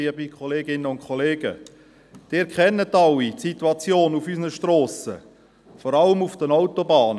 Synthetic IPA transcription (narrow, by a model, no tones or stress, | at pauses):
iəbikʰχɔleːɡɪnːəʊntkʰχɔleːɡ̥ə̰ | d̥ɪːɾkʰχɛnːətːɑwitsit̪uɑt͡sjoːnufysənəʃtroːsə̰ | fɔɾɑləmufd̥ənɔʊtɔbɑːnə